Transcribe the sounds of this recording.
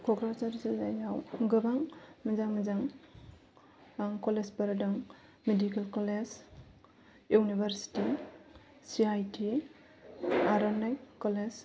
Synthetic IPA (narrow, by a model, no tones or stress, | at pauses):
kʰɔɡɾat͡ʃaɾzezajawɡɯbaŋmizaŋmizaŋ | kɔlesbaɾadɔŋ | medikelkɔled͡ʒ | unibʱaɾsi̥ti | siajtʰi | aɾɔnajkɔles